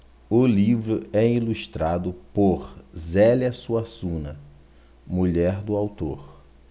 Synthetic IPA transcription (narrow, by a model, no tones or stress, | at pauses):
ʊlivɾʊɛiluʃt̪ɾad̪ʊpoɾzɛliɐsuasũnɐ | muʎɛɾd̪ʊawt̪oɾ